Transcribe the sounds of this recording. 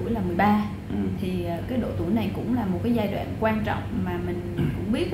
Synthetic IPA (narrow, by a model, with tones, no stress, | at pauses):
əjlaː˨˩mɨ˨˩əjɓaː˧ | t̪ʰi˨˩˨kaː˨˦jɗo̰˧˨t̪u˧˩əjna˨˩jkʊ̰˧˥ŋ͡mlaː˨˩mo˨˩t̚kaː˨˦jzaː˧jɗwa̰ː˧˨nkwaː˧nt͡ɕɔ̰˧˨wŋ͡mmaː˨˩mï˨˩ŋ̟kʊ̰˧˥ŋ͡mɓi˦˥ət̚